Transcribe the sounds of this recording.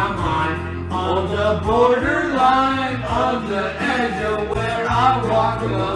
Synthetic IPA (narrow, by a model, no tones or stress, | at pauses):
mãɪ̃n | əðəbɔɹɾə˞lãɪ̃n | ʌnðəʔɛd͡ʒowə˞aɪwɔk